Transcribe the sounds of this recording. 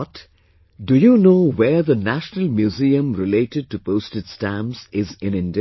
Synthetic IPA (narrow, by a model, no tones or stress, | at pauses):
t | ɖujunoːweðənæʃnəlmjuziə̃mɾɪleːʈɪɖ̚ʈupoːstɨd̥stæ̃mzɪzɪ̃nɪ̃ndɪ